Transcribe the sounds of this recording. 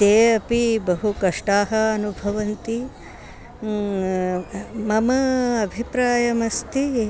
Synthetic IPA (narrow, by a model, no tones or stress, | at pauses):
t̪eːɐpibɐɦukɐʂʈaːɦɐːnubʱɐʋɐnt̪i | mɐmɐɐbʱipɾaːjɐmɐst̪i